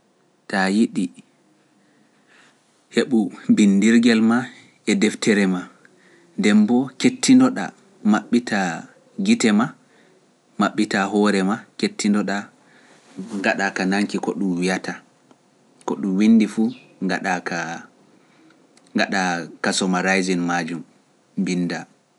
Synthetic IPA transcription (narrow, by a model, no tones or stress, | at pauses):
tajiɗi | heɓubindiɾɡɛlma | ɛdɛftʰɛɾɛma | ndɛmbɔketːindɔɗa̰ | maɓːitʰa | ɡitɛma | maɓːitaɦɔɾɛmaketːindɔɗa | ŋɡaɗakanaŋkikɔɗumwijata | kɔɗumwindifuŋɡaɗaka | ŋɡaɗakasɔmaɾajzinmad͡ʒum | binːda